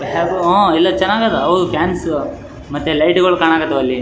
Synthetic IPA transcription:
ɦaɡuõːilːɐt͡ʃɐnːaːɡɐt̪ːɐɐʋd̪ukaːns | mɐt̪ːelɐjʈɡoɭkaːɳaːɡɐt̪ːɐɐlːi

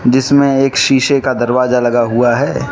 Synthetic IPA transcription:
d͡ʒɪsmẽeːkʃiːʃekad̪ɐɾʋaːzalɐɡaɦuaɦɛː

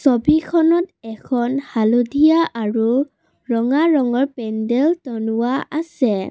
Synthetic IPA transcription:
sɔbikʰɔnɔtɛkʰɔnhalodʱijaʔaɹu | ɹɔŋaɹɔŋɔɹpɛndɛltɔnʊwaʔasɛ

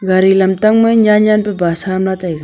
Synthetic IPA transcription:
ɡaɾilɐmt̪ɐŋmɐɲaːɲaːnpebaːsaːmlat̪aeɡa

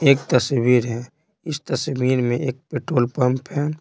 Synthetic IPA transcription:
eːk̚t̪əswiːɾɦɛ | ɪst̪əswiːɾmẽʔeːk̚peːʈɾoːlpə̃mpɦɛː

